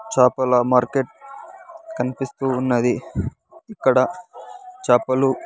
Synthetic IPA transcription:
t͡ʃaːpɐlɐmaːɾkeʈ̚ | kɐnipist̪uːnːɐd̪i | ikːɐɽɐ | t͡ʃaːpɐlu

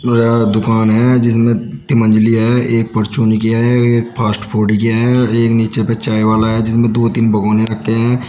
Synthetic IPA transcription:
ɾɛd̪ʊkaːnɦɛd͡ʒɪs̬mẽt̪ɪmə̃nd͡ʒliaɦɛʔeːk̚pəɾt͡ʃuːnikijaɦɛeːk̚pʰaːsʈpʰoːɾɖik̬ijaɦɛeːkniːt͡ʃepet͡ʃaːiʋaːlaɦɛd͡ʒɪsmẽd̪oːt̪inbɐɡɔːniɾɐkʰːeɦɛ̃ː

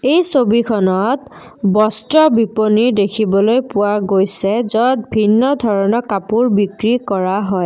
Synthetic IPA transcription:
ejsobikʰɔnɔt | bɔstɹɔbiponiɹdekʰibɔlojpʊwaɡojsɛzɔt̚bʱinːɔdʱɔɹɔnɔkapuɹbikɹikɔɹaɦɔj

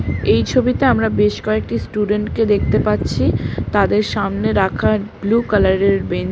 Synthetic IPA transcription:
ejt͡ɕʰobit̪eamɾabeʃkɔek̚ʈisʈuɖeɳʈked̪ek̚ʰt̪epatːɕʰit̪ad̪eɾʃamneɾakʰaɾblukalaɾeɾben

